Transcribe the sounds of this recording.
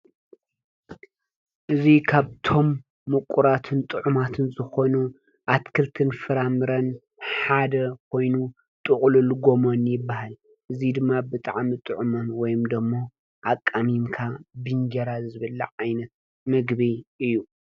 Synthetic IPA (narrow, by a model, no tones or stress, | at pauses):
ʔɨzikʰaβt̪ʰo̞mː | ɨkʷʼːuɾat̪ʰɨnt̪ʼɨʕumat̪ʰɨnzɨxo̞nu | ʔat̪kʰɨlt̪ʰɨnfɨɾamɨɾɐn | ħad̪ɐkʰo̞jnu | t̪ʼɨχʼlulɡo̞monjɪbːahal | ʔɨzid̪ɨmːabɨt̪ʼaʕmit̪ʼɨʕumonwɔjɪmd̪ɐmːo̞ | ʔakʼːamimkʰabɨnd͡ʒɐɾazɨβɐlːɐ̰ʕajnɐt̪̚ | mɨɡβiɨjːu